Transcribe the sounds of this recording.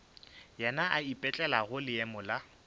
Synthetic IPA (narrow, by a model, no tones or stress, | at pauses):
jɛnaʔaipʼɛt͡ɬʼɛlaɣʊlɪɛmʊla